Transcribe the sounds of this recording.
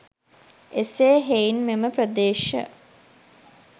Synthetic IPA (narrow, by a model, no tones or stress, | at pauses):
eseːɦeinmeməprəd̪eːʃə̰